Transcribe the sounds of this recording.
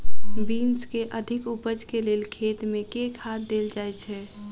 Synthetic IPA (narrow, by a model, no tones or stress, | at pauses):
biːnskeʔəd̪ʱɪkupəd͡ʒkeleːlkʰeːt̪mẽkekhat̪̚d̪eːld͡ʒajt͡ʃʰɛ